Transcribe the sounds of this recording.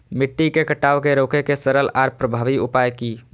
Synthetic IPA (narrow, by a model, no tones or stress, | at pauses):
mɪʈːikekəʈaːʋkeɾoːkekesəɾəlaːɾpɾəbʱaːʋiʊpaːjkiː